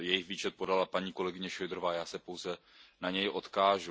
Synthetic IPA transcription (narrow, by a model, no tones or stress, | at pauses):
jɛjɪxviːt͡ʃɛt̪̚podalapaɲiːkolɛɡɪɲɛʃojd̪ɾovaːjaːsɛpowzɛ | naɲɛjʔo̞t̪kaːʒu